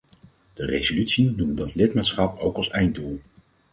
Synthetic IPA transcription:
d̥ərejzolytsinumdɑtlɪtmaːtsχɑpowkɑsɛjn̚dulˠ

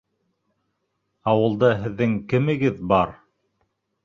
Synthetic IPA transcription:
ɑwɤ̆lˠd̪ɑɦɘ̆ðːɘŋkɘ̆mɘ̆ɡɘðbɑɾ

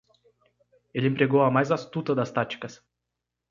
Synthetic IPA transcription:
elɪẽmpɾeɡowɐmajzast̪ut̪ɐd̪ɐst̪at͡ʃi̥kɐs

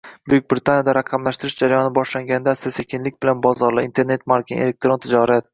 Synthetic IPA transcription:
bʊjyk̚ʲbɾɪt̪ʰanʲjad̪aɾɑqʰɑmlaʃt̪ɪɾɪʃd͡ʒaɾajɒnɪbɒʃlaŋɡʲanɪd̪ast̪ase̞kʲʰɪnlɪkʲbɪlanbɒzɒɾlɪint̪ʰe̞ɾne̞t̪maɾkʲɪŋḛlek̚t̪ɾo̞nt̪ʰɪd͡ʒɒɾat̪

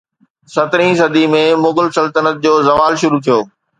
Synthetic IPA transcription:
sɐt̪ɾĩs̬ɐd̪imẽmʊɡəlsɐlt̪ənət̪̚d͡ʑoːzɐʋaːlʃʊɾut̪ʰijoː

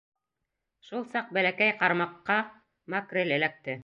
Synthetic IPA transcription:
ʃulˠsɑq̚bælækæjqɑɾmɑqːɑ | mɑkrʲelɘ̆læk̚t̪ɘ

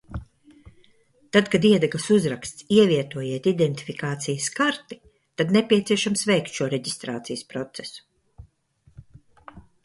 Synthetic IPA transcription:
t̪ad̪kad̪iɛd̪ɛkˠəsuzɾakst̪siɛviɛt̪uɔjiɛt̪id̪ɛnt̪i̥fikaːt̪sijəskaɾt̪i̥ | t̪ad̪nɛpʲiɛt̪siɛʃamsvɛjkt̪ʃuɔɾɛɟist̪ɾaːt̪sijəspɾɔt̪sesu̥

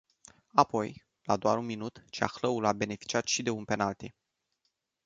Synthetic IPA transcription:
apo̞j | lad̪oa̰ɾunminut̪t͡ʃa̰xləulabe̞ne̞fi̥t͡ʃiat̪ʃid̪e̞unpe̞nalt̪i

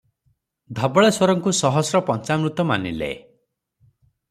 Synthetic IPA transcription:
d̪ʱɔbɔɭeswɔɾɔŋkusɔɦɔsɾɔpɔnt͡ʃamɾut̪ɔma̰nḭlḛ

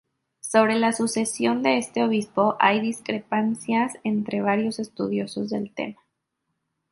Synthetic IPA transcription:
so̞β̞ɾe̞lasuse̞sjo̞nd̪e̞est̪e̞o̞β̞ispo̞ʔajðiskɾepansjase̞nt̪ɾe̞β̞aɾjo̞se̞st̪uð̞jo̞so̞zðe̞̰lt̪e̞̰ma

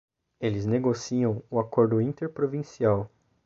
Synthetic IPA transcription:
elɪzneɡosiɐ̃w̃ʊakoɾd̪ʊĩnt̪eɾpɾovĩsiaw

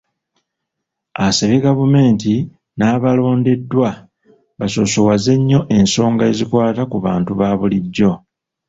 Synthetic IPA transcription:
aseβiɡavume̞ːnti | naːβalo̞ːnde̞dːwa | βaso̞sowaze̞ɲːo̞ʔe̞nso̞ːŋɡae̞zikwaːtakuβaːntuβaːβuliɟːo̞

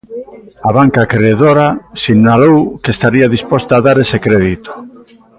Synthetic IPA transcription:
aβaŋkakɾeðoɾasiŋnalowkest̪aɾiaðispost̪aːðaɾesekɾeð̞it̪o̥

